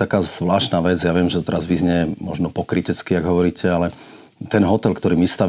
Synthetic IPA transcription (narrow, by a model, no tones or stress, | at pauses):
t̪akaːzʋlaːʃnaːʋɛd͡zjaːʋɪɛmʒɛt̪ɛɾazʋizɲɛmɔ̰ʒnɔpɔkɾicɛt͡skiaɡɦɔʋɔɾiːcʰɛalɛ | t̪ɛnɦɔt̪ɛlkt̪ɔɾiːmist̪a